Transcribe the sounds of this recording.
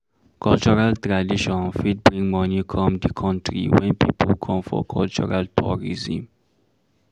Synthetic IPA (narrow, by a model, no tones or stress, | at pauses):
kʰɔlt͡ʃuɾalt̪ɾadiʃɔ̃nfid̚bɾĩŋɡmɔnikʰɔmdikʰɔ̃ntɾḭwɛ̃npʰḭpʰolkʰɔ̃mfɔ̰kʰɔlt͡ʃuɾalt̪ʰuɾizḭ̃m